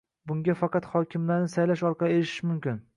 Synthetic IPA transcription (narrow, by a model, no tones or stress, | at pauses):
bʊŋɡʲafɑqɑt̪hɒkʲɪmlaɾnɪsajlaʃɒɾqʰɑlieɾɪʃɪ̥ʃmʊmkʲɪn